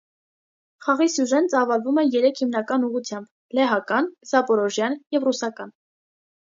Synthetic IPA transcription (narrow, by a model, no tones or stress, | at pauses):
χɑʁisuʒɛnt͡sɑvɑlvumɛjɛɾɛkʰhimnɑkɑnuʁut͡sʰjɑmb | lɛɦɑkɑnzɑpɔɾɔʒjɑnjɛvrusɑkɑn